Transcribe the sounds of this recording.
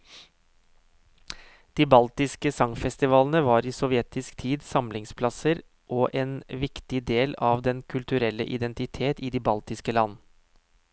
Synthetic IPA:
d̪̥iːbɑlt̪ɪskəsɑŋfɛst̪ɪʋɑːln̩əʋɑːɾiːsɔʋjɛt̪ɪskt̪ʰiːd̪sɑmlɪŋspʰlɑsəɾ | ʔoːʔeːnʋɪkt̪ɪd̪eːlɑːʋd̪ɛnkʰʉlt̪ʉɾɛlːə̰ʔɪd̪ɛnt̪ɪt̪ʰeːt̪iːd̪iːbɑlt̪ɪskəlɑn

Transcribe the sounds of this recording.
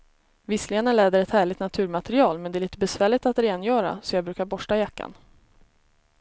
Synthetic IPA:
vɪsleːnəɭɛːd̪əɾɛt̪hæːɭɪɡt̪nat̪ʰʉ̟ːɾmat̪ɛɾɪɑːlmɛnd̪ɛæɾɭiːt̪əbɛsvæːɭɪt̪at̪ɾeːnjœːɾa̰sɔjɑːɡbɾʉ̟ːkaɾbɔʂʈajakːa̰n

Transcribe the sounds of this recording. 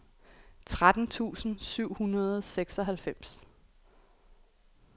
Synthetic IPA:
t͡sʰʁad̥n̩t͡sʰṵːsn̩syʊ̰hunɐð̞ˠseɡ̥sɒ̽ɦælfem̰s

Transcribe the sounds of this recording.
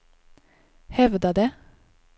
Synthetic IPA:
hɛʋd̪ɑd̪eː

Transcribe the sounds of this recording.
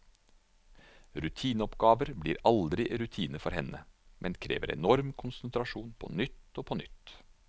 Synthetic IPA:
ɾʉt̪ʰiːnəɔpɡɑːʋəɾbliːɾɑld̪ɾɪɾʉt̪ʰiːnəfɔɾhɛnəmʔɛnkʰɾḛːʋə̰ɾɛ̰nɔɾmkʰʊnsənt̪ɾɑʃuːnpʰɔ̰nʏt̪ːoːpʰɔnʏt̪

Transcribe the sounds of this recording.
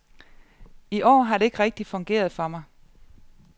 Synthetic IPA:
iʔɒ̰ːɦɑ̈ɾ̥e̝e̝ɡ̥ʁɛɡ̥̚d̥i̥fɔ̽ŋɡ̥e̝̰ːɐð̞ˠfɒ̽mɑ̈ɪ

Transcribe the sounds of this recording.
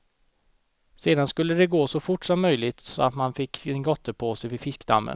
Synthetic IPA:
seːd̪anskɵlːəd̪ɛɡoːsɔfʊʈːsɔmːœjlɪt̪sɔat̪manfɪkːɛnɡɔt̪ːəpʰoːsɛjvɪfɪskd̪a̰mːə̰n

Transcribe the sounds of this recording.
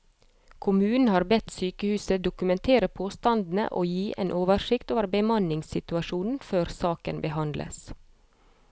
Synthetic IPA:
kʰʊmʉːn̩hɑːɾbɛt̪syːkəhʉːsəd̪ʊkʉmɛnt̪ʰeːɾəpʰoːst̪ɑnd̪n̩ə̰ʔoːjiːʔeːnʔoːʋəʃɪkt̪oːʋəɾbəmɑnɪŋsɪt̪ʉɑʃuːnn̩føːɾsɑːkənbəhɑnd̪lʔə̰s

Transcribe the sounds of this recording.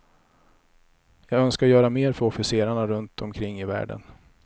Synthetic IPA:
jɑːɡœnskaɾjœːɾameːɾfœɾɔfɪseːɾaɳaɾɵnt̪ɔmkʰɾɪŋːɪvæ̰ːɖə̰n

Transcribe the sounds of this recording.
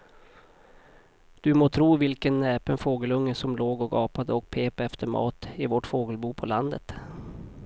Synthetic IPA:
d̪̥ɵmoːt̪ʰɾuːvɪlkənɛːpənfoːɡəlɵŋːəsɔmloːɡɔkɑːpad̪əɔk̚pʰeːpaɛft̪ʰəɾmɑ̰ːt̪ɪvɔʈfoːɡəlbuːpʰɔland̪ət̪

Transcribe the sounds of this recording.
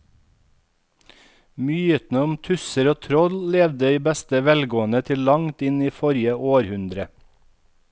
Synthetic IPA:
myːət̪nəʊmt̪ʰʉsəɾoːt̪ʰɾɔllɛʋd̪əiːbɛst̪əʋɛlɡoːən̩ət̪ʰɪllɑŋt̪ɪniːfɔɾjəʔoːɾhʉnd̪ɾə

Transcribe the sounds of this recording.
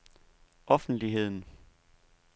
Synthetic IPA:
ʔɒ̽fn̩d̥liɦe̝ð̞̰ˠn̩

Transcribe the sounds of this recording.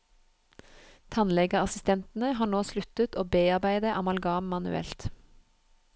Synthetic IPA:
t̪ʰɑnlɛɡəɑsɪst̪ʰɛnt̪n̩əhɑːɳoːslʉt̪ət̪oːbeːɑʁbæɪd̪əʔɑmɑlɡɑːmmɑnʉ̰ɛ̰lt̪

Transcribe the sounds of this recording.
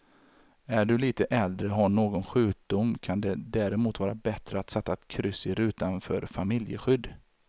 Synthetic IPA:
æɖɵliːt̪əʔɛld̪ɾəɦaɳoːɡɔnɧʉ̟ːk̚d̪ʊmːkʰand̪ɛd̪æːɾɛmuːt̪vɑːɾabɛt̪ɾəat̪sɛt̪ːaɛt̪kʰɾʏsːɪɾʉ̟ːt̪anfœ̰ːɾfamɪljə̰ɧʏd̪ː

